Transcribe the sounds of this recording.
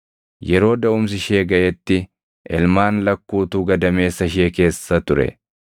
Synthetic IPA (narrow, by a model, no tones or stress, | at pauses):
jɛɾo̞ːd̪ɐʊms̬ɪʃe̞ːɡɐʔɛt̪ːɪ | ʔɛlmaːnlɐkːuːt̪uːɡɐd̪ɐme̞ːsːɐɪʃ̬eːke̞ːsːɐt̪ʊɾɛ̰